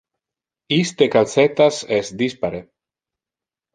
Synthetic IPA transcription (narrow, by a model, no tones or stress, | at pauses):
ist̪ekalset̪asɛsd̪ispaɾe